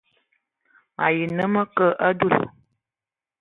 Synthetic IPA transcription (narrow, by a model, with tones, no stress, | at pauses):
ma˨ji˨nə˦mə˦kə˦ʔə˦du˦˨l